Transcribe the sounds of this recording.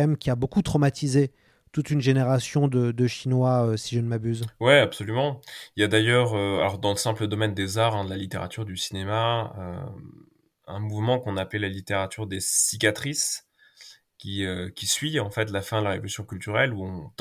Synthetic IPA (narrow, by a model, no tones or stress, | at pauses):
ɛmkʲiabokut̪χɔmat̪ʰize | t̪ut̪ynʒeneʁasjɔ̃d̪əd̪əʃinwaøsiʒənmabyzwɛapsɔlymɑ̃iljad̪ajœʁøa̰lɔʁd̪ɑ̃ləsɛ̃pləd̪ɔmɛnd̪ezaʁɛ̃d̪əlalit̪eʁa̰t̪yʁd̪ysinemaø̰ | ɛ̰̃muvmɑ̃kɔ̃naplelalit̪eʁat̪ʰyʁd̪esikʲat̪χis | kʲiøkʲisɥiɑ̃fɛt̪lafɛ̃d̪əlaʁevɔlysjɔ̃kʲylt̪yʁɛluɔ̃t̪